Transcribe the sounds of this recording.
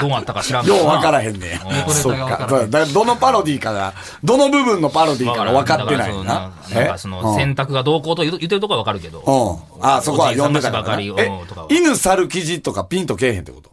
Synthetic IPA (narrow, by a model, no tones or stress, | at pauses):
d̪oːnatt̪ːakaɕiɾajoːβakaɾaɦẽ̞nːḛ̃osokːa̰od̪akad̪o̞no̞paɾo̞d̪ʲiːkaɡa̰ | d̪o̞no̞bɯ̟bɯ̟̃nːo̞paɾo̞d̪ʲiːkaβakat̪ːe̞na̰j̪a | ãẽkasonõsẽ̞nt̪akɯ̟ɡad̪o̞ːko̞ːt̪ojɯ̟t̪̬ːeɾt̪okoaakaɾɯ̟ke̞d̪o̰õː | aso̞ko̞ajõnd̪e̞t̪akkanaet̪okinɯ̟saɾɯ̟kʲiʑit̪o̞kapʲĩnt̪o̞ke̞ːhẽt̪o̰kot̪o